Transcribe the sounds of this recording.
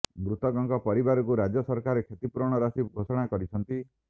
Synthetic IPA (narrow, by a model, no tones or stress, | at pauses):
mɾut̪ɔɡɔŋkɔpɔɾibaɾɔkuɾad͡ʒɔsɔɾkaɾekʰjet̪ipuɾɔɽ̃ɔɾasibɡʱosɔɽ̃akɔɾit͡ʃʰɔnt̪i